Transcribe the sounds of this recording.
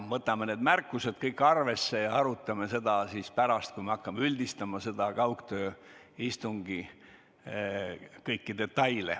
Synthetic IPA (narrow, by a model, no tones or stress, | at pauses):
mɤt̪ːˑɑmened̪mærkːˑuse̞d̪̥kɤjkːˑɑrve̞sːe̞jɑɑɾut̪ːˑɑme̞se̞d̪̥ɑsispæɾɑst̪̚kujmeɑkːɑmeylʲd̪ist̪ɑmɑse̞d̪̥ɑkɑwkt̪øː | ist̪uŋɡ̥i | kɤjkːid̪̥e̞t̪ːˑɑjlḛ